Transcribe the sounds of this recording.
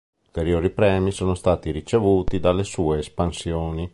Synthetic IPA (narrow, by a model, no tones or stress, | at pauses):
ult̪eɾjoːɾipɾɛːmisoːnost̪aːt̪iɾit͡ʃevuːt̪id̪alːesuːeːspansjoːni